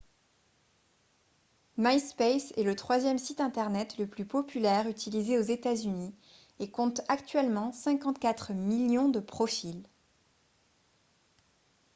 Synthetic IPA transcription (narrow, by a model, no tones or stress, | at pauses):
majspesɛ̰lət̪χwazjɛmsit̪ɛ̃t̪ɛʁnɛt̪ləplypɔpylɛʁyt̪ʰilizeozet̪azyni | ekɔ̃t̪akt̪ɥɛlmɑ̃sɛ̃kɑ̃t̪kat̪χmiljɔ̃d̪əpχɔfil